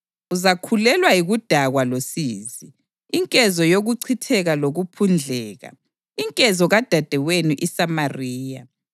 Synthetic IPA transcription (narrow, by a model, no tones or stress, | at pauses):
uzakʰulɛlwaiɣud̥ʱaɣwalosiːzi | iŋkʼɛzɔjoɣuǀʰitʰɛɣaloɣupʰund͡ɮʱɛːɣa̰ | iŋkʼɛzɔɣad̥ʱad̥ʱɛweniʔisamariːja